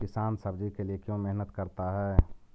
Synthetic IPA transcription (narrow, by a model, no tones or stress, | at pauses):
kɪsaːnsɐbd͡ʒikeliekjõːmeɦnət̪kɐɾt̪aɦɛː